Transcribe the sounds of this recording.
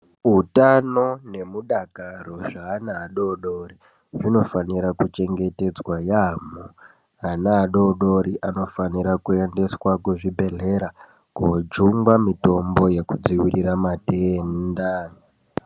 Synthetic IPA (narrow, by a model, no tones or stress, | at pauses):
utanone̞muɗakaro̞ʐaːnaːɗo̞ɗori | ʐino̞faniɾakut͡ʃe̞ŋɡe̞te̞d͡zwajamo | anaɗo̞ɗo̞ɾiʔano̞faniɾakue̞nde̞swakuʐibʱe̞ɮe̞ɾa | kod͡ʒuŋɡwamito̞mbo̞je̞kud͡ziwiriramateːnda